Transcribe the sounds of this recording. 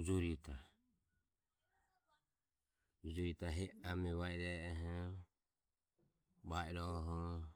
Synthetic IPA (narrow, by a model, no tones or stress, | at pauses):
ud͡ʒuɾit̪ʰa | ud͡ʒɔɾit̪aɦɛamɛβaiɾɛɦɔ | baiɾɔɦɔ